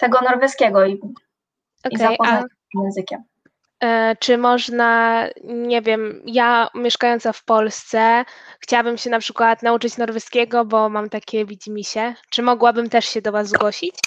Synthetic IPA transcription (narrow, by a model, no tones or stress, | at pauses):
t̪ɛɡɔnɔɾvɛskʲɛɡɔi | ʔɔikɛajpɔaa | mjɛ̃nzɘkʲɛm | t͡ʂɘmɔʐna | ɲɛvʲjɛmjamʲjɛʂkajɔnt̪safpɔlst̪sɛxt͡ɕawabɘmɕɛnapʂɘkwat̪naut͡ʂɘt͡ɕnɔɾvɛskʲɛɡɔbɔmamt̪akʲɛvʲid͡ʑimʲiɕɛt͡ʂɘmɔɡwabɘmt̪ɛʂɕɛd̪ɔvazɡwɔɕit͡ɕ